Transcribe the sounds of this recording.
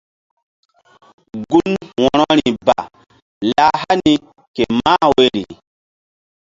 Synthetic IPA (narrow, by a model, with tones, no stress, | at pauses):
ɡu˦nwɔ˨ɾɔ˦ɾi˨ba̰˨ | la˦ha˦ni˨ | ke˨ma˦we˦ɾḭ˨